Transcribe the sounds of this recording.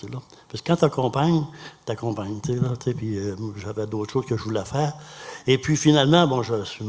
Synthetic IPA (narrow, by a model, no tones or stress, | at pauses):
sela | paskə̥kːɑ̃t̪yakɔ̃ːpaɲt̪akɔ̃ːpaɲt͡selat͡sepiʒavɛd̪ot̪χə̥ʃoːzkəʒəvulɛfɛːʁepɥifinalmɑ̃bɔ̃ʒəsɥim